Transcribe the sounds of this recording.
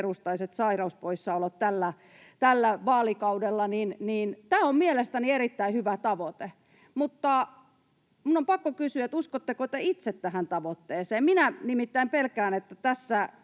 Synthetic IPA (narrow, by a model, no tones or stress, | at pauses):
rust̪ɑiset̪sɑirɑuspoisːɑolot̪t̪ælːæ | t̪ælːæʋɑːlikɑudelːɑninniːnt̪æːommielest̪ænierit̪ːæihyʋæt̪ɑʋot̪e | mut̪ːɑ | munːompɑkːokysyæet̪uskot̪ːekot̪eit̪set̪t̪æhænt̪ɑʋot̪ːeːseːmminænimit̪ːæimpelkæːnet̪ːæt̪æsːæ